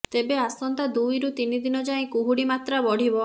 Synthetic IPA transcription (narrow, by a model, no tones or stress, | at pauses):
t̪ebeasɔnt̪ad̪ujɾut̪inid̪inɔd͡ʒaĩkuɦuɽimat̪ɾabɔɽ̤ibɔ